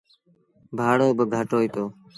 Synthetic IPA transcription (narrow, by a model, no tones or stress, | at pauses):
bʱaːɽoːbəɡʱəʈoːiːt̪oː